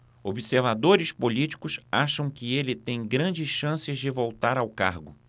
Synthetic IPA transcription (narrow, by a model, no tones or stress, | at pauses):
obiseɾvad̪oɾɪspolit͡ʃi̥kʊsaʃɐ̃w̃kɪelɪt̪ẽj̃ɡɾɐ̃d͡ʒɪsʃɐ̃sɪzd͡ʒɪvowt̪aɾawka̰ɾɡʊ